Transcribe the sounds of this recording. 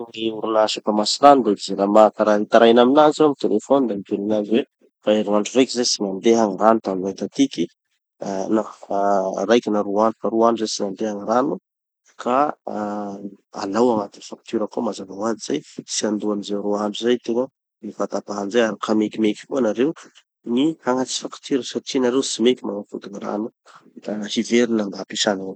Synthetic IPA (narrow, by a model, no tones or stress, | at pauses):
ŋiuɾinaʃifamasiɾand̪okizelamak̪aɾait̪aɾajnaminazomit̪elefonid̪amit̪uninaziwe | faeɾuŋaɳɖ͡ʐurejkizejsinand̪eɦaŋranut̪anmajt̪at̪iki | na | rajkinaɾuaɳɖ͡ʐufaɾuaɳɖ͡ʐuzejsinand̪eɦaŋiɾanu | kʰa | a̰lawaŋat̪inifak̚t̪yɾəkomazavaad͡ziz̥ajsiand̪uanizeɾoaɳɖ͡ʐuzajt̪eŋa | mivat̪apaɦanzajaɾikʰamekimeki̥konaɾew | nihaŋat͡si̥fakt̪yɾəsaʈ͡ʂinaɾewsimekʲimanafund̪iniɾa̰nu | t̪ahiveɾinaŋɡ̪apiʃanaw